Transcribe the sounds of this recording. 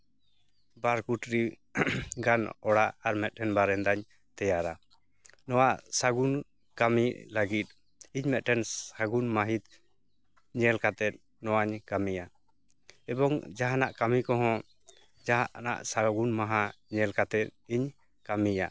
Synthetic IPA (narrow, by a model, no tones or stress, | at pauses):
baɾkuʈɾi | ɡanɔɽaaɾmɛt̪̚ˀʈʰɛnbaɾɛnd̪aɲ | t̪ɛjaɾa | nɔwaʔsaɡun | kamilaɡit̪̚ | iɲmɛt̪̚ʈʰɛnaɡunmaɦit̪ | ɲɛlkat̪ɛt̪̚ | nɔwaɲkamija | ɛbɔŋd͡ʒaɦanaʔkamikɔɦɔ̃ | d͡ʒaɦaʔna̰ʔsaɡunmaɦaɲɛlkat̪ɛt̪̚iɲ | kamija